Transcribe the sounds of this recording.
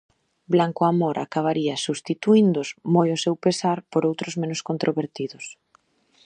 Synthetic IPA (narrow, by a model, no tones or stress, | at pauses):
blaŋkoamoɾʔa̰kaβ̞aɾiasust̪it̪uind̪ʊsmojosewpesaɾpoɾowt̪ɾʊzmẽnʊskont̪ɾʔoβeɾt̪iðʊs